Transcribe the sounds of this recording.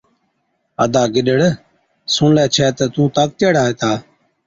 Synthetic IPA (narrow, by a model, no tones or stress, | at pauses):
əd̪aːɡɪɗəɽ | sũːnlɛːt͡ʃʰɛːt̪əːt̪ũːt̪aːk̚t̪əːɽaːeːt̪aː